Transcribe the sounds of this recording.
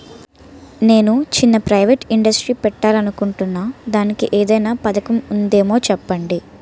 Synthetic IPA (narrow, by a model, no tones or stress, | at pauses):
ne̞ːnut͡ʃinːɐpɾɐjʋeʈiɳɖɐsʈɾiːpɛʈːaːlɐnukuɳʈunːaːd̪aːnikiʔeːd̪ɐjnaːpɐd̪ɐkɐmund̪e̞ːmo̞ːt͡ʃɛpːɐɳɖi